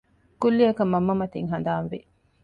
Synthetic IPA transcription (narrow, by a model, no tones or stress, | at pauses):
kulːiɐkɐmːɐmːɐmɐt̪iŋɦɐnd̪aːnʋe